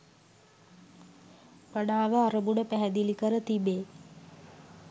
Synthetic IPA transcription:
pənaːʋəaɾəbunəpæɦɛd̪ilikəɾət̪ibeː

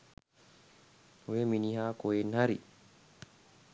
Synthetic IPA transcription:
weminihakɔɛnhaɾḭ

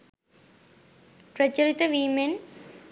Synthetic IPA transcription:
prɐt͡ɕːɐɾit̪ːɐʋimen

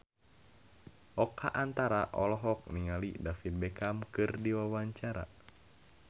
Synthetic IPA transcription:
ʔɔkʰaʔant̪aɾaʔɔlɔɦɔk̚niŋalidafit̪̚bɛkamkɨrdiwawaɲt͡ʃaɾa̰

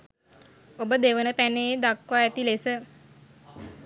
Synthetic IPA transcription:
obəd̪eʋənəpæneːd̪akʋaɛt̪ilesə

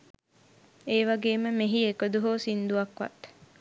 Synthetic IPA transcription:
eːʋaɡeːməmeɦiekod̪uɦoːsind̪uʋɐkʋa̰t̪

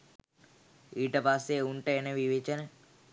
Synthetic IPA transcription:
iːʈəpasːeuɳʈəenəʋiʋet͡ʃənə

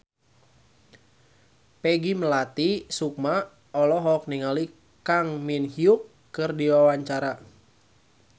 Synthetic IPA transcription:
pɛɡiməlat̪isuk̚ma | ɔlɔɦɔk̚niŋali | kaŋminhiukːɨrdiwawaɲt͡ʃaɾa

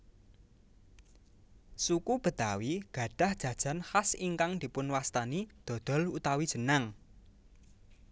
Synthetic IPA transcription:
sukub̥ə̤d̪̥awiɡ̥ä̤ɖ̥a̤hd̥ʒ̥ä̤d̥ʒ̥a̤nhasiŋkaŋd̪̥i̤pʊnwast̪anid̪̥ɔ̤d̪̥ɔ̤lut̪awidʒ̥ə̤naŋ

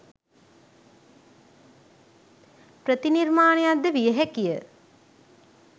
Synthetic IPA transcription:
pɾət̪inirmaːnejad̪ːəʋijəɦɛkijə

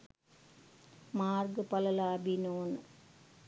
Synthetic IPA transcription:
maːrɡɨpɐlɐlaːbinoːn

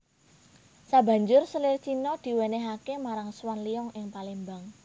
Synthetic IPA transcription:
sabä̤ɲd͡ʒʊrsəlɪrt͡ʃinɔd̪̥i̤weneɦakemaɾaŋswanliɔŋʔɪŋpalimbaŋ

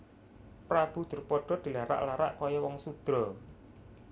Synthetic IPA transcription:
pɾab̥ṳd̪̥ṳrpɔɖ̥ɔ̤d̪̥i̤laɾa̰ʔlaɾa̰ʔkɔjɔwɔŋsud̪̥ɾɔ

